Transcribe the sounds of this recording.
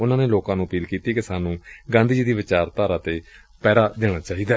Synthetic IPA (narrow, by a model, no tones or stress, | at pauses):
ʊnãːneːloːkãːnũːəpiːlkiːt̪iːkɪsaːnũːɡãːnd̪iːd͡ʒiːd̪iːʋɪt͡ʃaːɾt̪aːɾãːt̪eː | pɛːd̪aːd̪eːɽ̃aːt͡ʃaːɦiːd̪aː